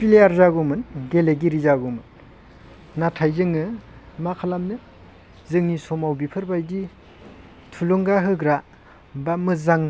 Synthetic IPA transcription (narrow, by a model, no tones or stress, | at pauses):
pilejaɾzaɡumɯnɡeleɡiɾizaɡumɯnː | atʰajzɯŋɯmakʰalamnɯ | zɯŋnisɔmawbipʰɯɾbajdi | tʰulɔŋɡaɦɯɡɾa | bamɯzaŋ